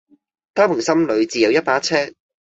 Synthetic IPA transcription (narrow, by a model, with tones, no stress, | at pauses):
t̪aː˥pʰʊ˨˩ŋsɐ˥mlɵ˨˧ɥt͡siː˨jɐ˨˧wjɐ˥t̚paː˨˥t͡sʰɛː˥